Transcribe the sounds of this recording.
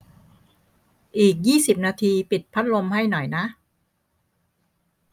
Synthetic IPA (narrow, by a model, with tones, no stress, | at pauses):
ʔiː˨˩k̚jiː˥˩si˨˩p̚naː˧t̪ʰiː˧pi˨˩t̪̚pʰa˦˥t̪̚lo˧mha˥˩jnɔ˨˩jna˦˥ʔ